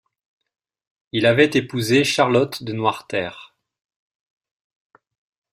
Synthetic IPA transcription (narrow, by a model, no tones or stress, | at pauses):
ilavɛt̪epuzeʃaʁlɔt̪d̪ənwaʁt̪ɛːʁ